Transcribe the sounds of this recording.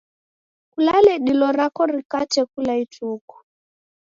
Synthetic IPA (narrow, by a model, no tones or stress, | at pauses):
kulalɛɗilɔɾakɔɾikat͡ʃɛkulaituku̥